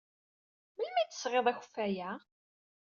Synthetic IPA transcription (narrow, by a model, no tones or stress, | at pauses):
məlmæjt̪ːə̥sʁeðˤæçə̥fːæjæ